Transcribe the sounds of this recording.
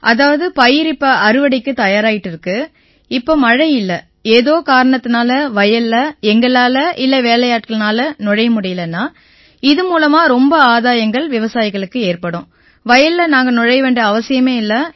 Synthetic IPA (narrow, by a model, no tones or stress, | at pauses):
ʔɐðaːʋɐðɯpɐjɪɾɪpːɐʔɐɾɯʋɐɽɪkːɯt̪ɐjaːɾaːjɪʈːɪɾɯkːɯ | ɪpːoːmɐɻɐjɪlːɐ | eːðoːkaːɾɐɳɐt̪ːɯnaːlɐʋɐjɐlːɐɛŋɡɐɭaːlɐʔɪlːɐʋeːlɐjaːʈ̚kɐɭnaːlɐnɔɻɐjɐmʊɽɪjɪlɐnːaː | ɪðɯmuːlɐmaːɾɔmbɐaːðaːjɐŋɡɐɭʋɪʋɐsaːjɪɣɐɭɯkːɯeːrpɐɽʊ̃ː | ʋɐjɐllɐnaːŋɡɐnɔɻɐjʋeːɳɖɐːʋɐsɪjɐmeːɪlːɐ